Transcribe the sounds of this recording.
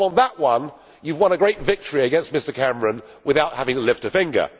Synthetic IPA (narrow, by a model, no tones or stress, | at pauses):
ə̃nðəʔwʌ̃n | jʉvwʌ̃nɨɡɹeɪtvɪk̚tʰə˞iɨɡɛ̃nst̚mɪstəkʰæ̃mɹɨ̃n | wɨðaʊt̚hævɪ̃ŋlɪftɨfɪ̃ŋɡə̰˞